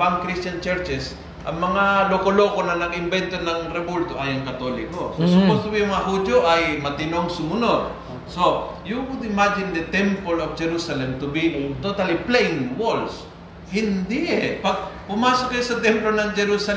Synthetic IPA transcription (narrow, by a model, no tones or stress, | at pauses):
bɐŋkɾistt͡ʃɐnt͡ʃɛɾt͡ʃɛs | ʔɐ̰ŋmɐŋalokoloːkonɐnɐɡɪmbɛnt̪onɐŋɾɛbult̪oʔɐjɐŋkɐt̪olɪkososʊpost̪ʊbijʊŋmɐŋaɦud͡ʒjoʔɐjmɐt̪ɪnoŋsʊmʊnod̪̚ | so | juwʊd̪ɪmad͡ʒɪnd̪ɐt̪ɛmpolofd͡ʒɛɾusɐlɛmt̪ʊbit̪ot̪ɐliplejɪŋwols | hɪnd̪ɪʔɛpɐɡ̚pʊmaːsʊk̚kːɐjosɐt̪ɛmplonɐŋd͡ʒɛɾusɐ